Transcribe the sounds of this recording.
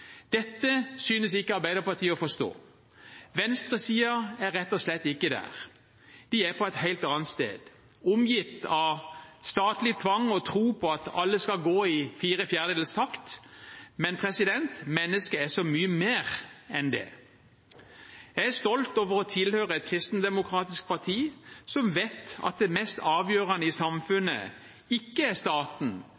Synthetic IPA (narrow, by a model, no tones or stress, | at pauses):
d̪̥ɛt̪ːəsyːnəsɪkːəɑɾbæɪd̪əpɑt̪ʰiːəɔfɔst̪o̰ː | ʋɛnst̪ʁəsiːəæɾːɛt̪ːɔslɛt̪ːɪkːəd̪æ̰ːʁ | d̪̥ɪæpʰɔɛt̪hæɪlt̪ɑːnt̪st̪ḛːd̪̥ | ʊmjɪft̪ɑʋst̪ɑːt̪lɪt̪ʰʋɑŋːɔt̪ʰʁuːpʰɔɑt̪ɑlːəskɑɡoːɪfiːʁəfjæʁd̪əd̪ɛlst̪ʰɑkt̪ | mɛnpʰʁɛsɪd̪ɛnt̪mɛnːəskəæsɔmyːəmeːʁɛnd̪ɛ̰ | jææɾst̪ɔlt̪oːʋəʁɔt̪ʰɪlhøːʁəɛt̪̚kʰʁɪst̪n̩d̪ɛmʊkʰʁɑːt̪ɪsk̚pʰɑʁt̪ʰiːsɔmʋeːt̪ɑ̰t̪̚d̪ɛmɛst̪ʰɑːʋjøːʁɑnəɪsɑmfʉnə̰ | ɪkːəæst̪ɑːt̪n̩